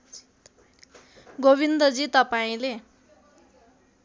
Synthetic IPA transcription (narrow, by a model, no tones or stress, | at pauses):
ɡoβind̪ʌd͡zit̪ʌpaĩle